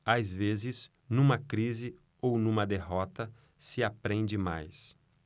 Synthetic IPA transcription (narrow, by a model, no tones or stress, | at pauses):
azvezɪz | nũmɐkɾizɪ | ownũmɐd̪eɦɔt̪ɐ | sɪapɾẽnd͡ʒɪma̰js